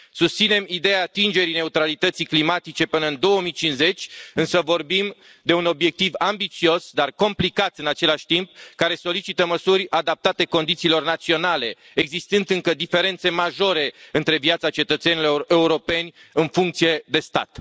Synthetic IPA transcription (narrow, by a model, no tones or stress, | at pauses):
sust̪sine̞mid̪e̞jaːt̪ind͡ʒe̞ɾine̞ut̪ɾalit̪ət̪siklimat̪it͡ʃe̞pɨnəɨnd̪o̞wəmijt͡ʃinze̞t͡ʃʲɨnsəvo̞rbim | d̪e̞uno̞bje̞k̚t̪ivambit̪sio̞sd̪arko̞mplikat̪ɨnat͡ʃe̞laʃʲt̪imp̚kaɾe̞solit͡ʃit̪əməsurʲad̪ap̚t̪at̪e̞ko̞nd̪it̪siːlo̞rnat̪sio̞nale̞ | eɡzist̪ɨnd̪ɨŋkəd̪ife̞ɾe̞nt̪se̞maʒo̞ɾe̞ɨnt̪ɾe̞vjat̪sat͡ʃe̞t̪ət̪se̞niloe̞uɾo̞pe̞nʲɨnfuŋk̚t̪sije̞d̪e̞st̪a̰t̪